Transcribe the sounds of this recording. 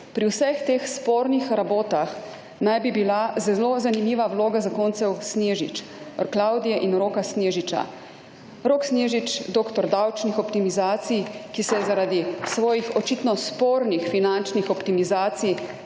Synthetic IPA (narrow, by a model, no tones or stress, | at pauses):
pɾiwsɛxt̪eːxspoːɾnixɾaboːt̪ax | najbibilazɛlozanimiːʋawloːɡazakoːnt̪sɛwsneːʒḭt͡ʃ | ɾklawd̪ijɛʔinɾoːkasneʒit͡ʃa̰ | ɾoːksneːʒit͡ʃd̪oːkt̪ɔɾd̪awt͡ʃnixɔpt̪imizaːt̪sijkisɛzaɾad̪isʋɔːjixɔt͡ʃit̪nɔspoːɾnixfinant͡ʃnixɔpt̪imizaːt̪sij